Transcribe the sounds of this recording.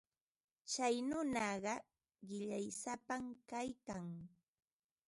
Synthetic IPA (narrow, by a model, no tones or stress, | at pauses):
t͡ʃajnʊnɑɢɑ | ɢɪʎajsapamkajkaŋ